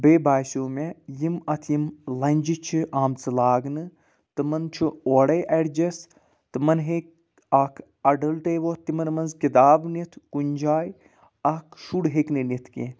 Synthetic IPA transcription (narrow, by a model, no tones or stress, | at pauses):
beːbaːjsoːmejimɐt̪ʰjimlɐnʲd͡ʒit͡ʃʰiʔaːmt͡sɨlaːɡnɨ | t̪ɨmɐnt͡ʃʰuoːɽɐjʔɐɽd͡ʒɐs | t̪ɨmɐnɦek̚ | ɐkʰ | ɐɖɐlʈeːʋoːt̪ːimɐnmɐnzkit̪aːbnit̪ʰkunʲd͡ʒaːj | ɐkʃuɽɦekninit̪ʰkḛ